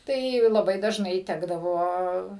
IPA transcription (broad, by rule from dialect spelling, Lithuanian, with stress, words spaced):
ˈtɐɪ lˠɐˈbɐɪ dɐʒˈnɐɪ ˈtʲæːɡdɐʋoː